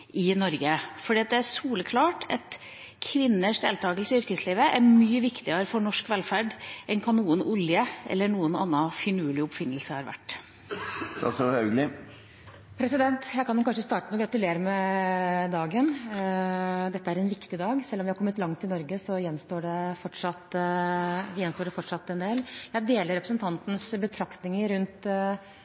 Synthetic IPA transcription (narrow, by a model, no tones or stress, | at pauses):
ʔɪnɔɾɡəfɔɖiːɑt̪̚d̪ɛæʂuːləkʰlɑːʈʰɛt̪ | kʰʋɪnːəʂd̪ḛːlt̪ʰɑːɡəlsʏɾkəsliːʋəʔæɾmyːəʋɪkt̪ɪəɾəfɔɳɔʂkʋɛlfæɖʔɛnkʰɑnuːənʊljəʔɛ̰lːəɳuːənɑ̰nːɑfɪnʉːlɪʊpfɪnːəlsəhɑɾʋæ̰ʈː | t̪ʰɑ̰sɑɾhɑʉɡlɪ | pʰɾɛsɪd̪ɛnt̪jæɪkʰɑnɛkɑnʂəst̪ɑːʈənɔɡɾɑt̪ʉleːɾəmɛ | d̪ɑːɡən | d̪ɛt̪ːəæɾɛnʋɪkt̪ɪd̪ɑːɡsɛlːɔmʋɪhɑɾkɔmːət̪lɑŋt̪ʰɪnɔɾɡəsɔjɛnst̪oːɖɛfɔʈʂɑt̪ | ʋɪjɛnst̪oːɖɛfɔʈʂɑt̪ːɛnd̪eːljæɪd̪eːləɾɛpɾəsənt̪ʰɑnt̪n̩sbət̪ʰɾɑkt̪nɪŋəɾʉnt̪